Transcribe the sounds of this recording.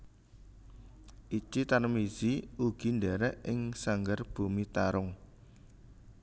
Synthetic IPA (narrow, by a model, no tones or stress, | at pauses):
ʔit͡ʃit̪anmiz̥iuɡ̥i̤ndɛɾɛʔɪŋsaŋɡərb̥ṳmit̪aɾʊŋ